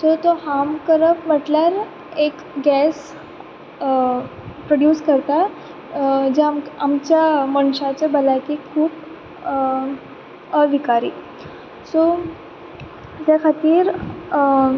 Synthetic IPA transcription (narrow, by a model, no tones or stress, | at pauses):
sot̪ohamkəɾəpməʈlaɾ | ek | ɡɛs | pɾoɖjuːskəɾt̪a | d͡ʑemamt͡ɕjaməɳɕat͡ɕabəlajkikʰuːp | əd̪ʱikaɾḭː | so | d͡ʑakʰat̪iːɾ